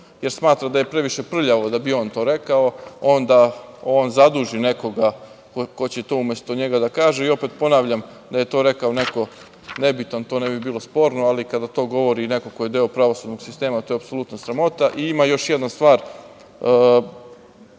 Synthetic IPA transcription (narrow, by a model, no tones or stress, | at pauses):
jeɾsmaːt̪ɾad̪aje̞pɾe̞ʋiʃe̞pr̩ʎaʋo̞d̪abio̞ːnt̪o̞ːɾe̞kaoo̞nd̪ao̞ːnzad̪uːʒine̞ko̞ɡa | kko̞t͡ɕet̪o̞ːumje̞st̪oɲe̞ɡad̪akaːʒeio̞pet̪po̞naːʋʎam | d̪aje̞t̪o̞ːɾe̞kaone̞ko̞ | ne̞bit̪ant̪o̞ːne̞bibiːlˠo̞spo̞ːɾno̞alikad̪at̪o̞ːɡo̞ʋo̞ɾine̞ko̞ko̞jed̪eopɾaʋo̞sud̪no̞ɡ̥sist̪e̞ːmat̪ojapsolˠut̪nasɾamo̞t̪aʔiimajo̞ʃjed̪nast̪ʋaːɾ